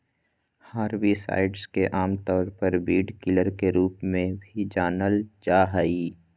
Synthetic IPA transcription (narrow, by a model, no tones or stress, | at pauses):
haːɾʋisa̰ːɪɖzkeʔaːmt̪ɔːɾpəɾbiːɖkɪləɾkeɾuːpmẽbʱid͡ʒaːnəld͡ʒaːɦaiː